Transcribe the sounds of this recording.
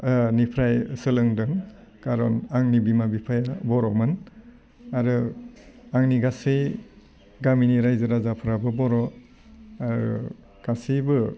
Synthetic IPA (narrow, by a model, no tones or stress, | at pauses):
nipʰɾajsɯlɯŋdɯŋkaɾɔnaŋnibimabipʰajabɔɾɔmɯn | aɾɯ | aŋniɡasej | ɡaminiɾajzɯɾazapʰɯɾabɯbɔɾɔ | aɾɯ̰ | ɡ̥asibɯ